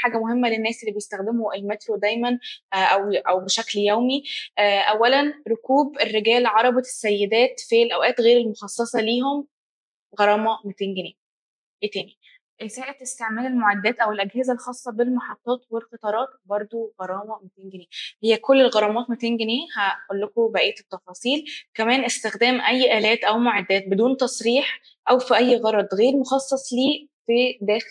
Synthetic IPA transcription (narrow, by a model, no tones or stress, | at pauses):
ħaːɡæmohemːælenːæːsʔelːibejest̪æxd̪emoʔelmæt̪lod̪æjmænʔæwʔæwbeʃækljæwmiʔʔæwːælænɾokuːberːeɡæːlʕɑɾˤɑbɑsːæjːed̪æːt̪filʔæwʔæːt̪ɣeːɾelmoxɑsˤːɑsˤɑliːɦom | ɣɑɾˤɑːmɑmot̪enɡeneː | et̪æːni | ʔesæːʔet̪est̪eʕmæːlelmoʕad̪ːæːt̪ʔæwelʔæɡhezælxɑːsˤːɑbelmɑħɑt̪ˤːɑːt̪welxet̪ˤɑːɾˤɑːt̪̚bɑɾˤd̪ˤoɣɑɾˤɑːmɑmot̪enɡeneːhejːækolːelɣɑɾˤɑmɑːt̪mot̪enɡeneːhæʔolːokobæʔeːt̪et̪ːɑfɑːsˤiːlkæmæːnʔest̪exd̪æːmʔæjːʔæːlæːt̪ʔæwmoʕad̪ːæːt̪̚bed̪uːnt̪ɑsˤɾiːħ | ʔæwfiʔæjːɣɑɾˤɑd̪ˤɣeːɾmoxɑsˤːɑsˤliːfid̪æːx